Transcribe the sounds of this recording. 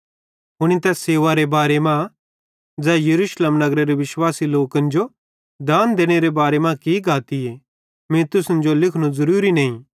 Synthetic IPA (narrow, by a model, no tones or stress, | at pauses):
ɦʊɽ̃it̪ɛseːʋaɾebaːɾemã | d͡zɛːjɐɾuːʃleːmnɐɡɾeɾeʋɪʃwaːsiloːkɐ̃nd͡ʒo | d̪aːnd̪eːɽ̃eɾebaːɾemãkiɡʱaːt̪ie | mẽt̪ʊsʊ̃nd͡ʒolɪkʰɽ̃ũzɐɾuːɾinɐ̃ːĩ